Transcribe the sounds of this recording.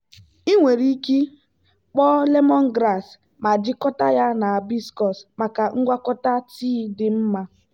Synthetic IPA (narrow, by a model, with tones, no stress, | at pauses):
i˦ŋʷe˨ɾi˦ki˦ | k͡pɔ˦le˦mɔ˦ŋ̩˦ɡɾa˦˨s | ma˨d͡ʒɪ˦kɔ˦ta˦ja˦na˨a˨bi˦skɔ˨sma˨ka˨ŋ̩˦ɡʷa˦kɔ˦ta˦tiː˦dɪ˨m̩˦ma˦